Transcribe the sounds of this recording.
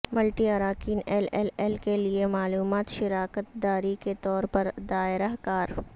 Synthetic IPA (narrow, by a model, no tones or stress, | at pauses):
məlʈiaɾaːkiːnɛlɛlɛlkeliemaːluːmaːt̪ʃɪɾaːkət̪̚d̪aːɾiket̪ɔːɾpɐɾd̪aːɪɾaɦkaːɾ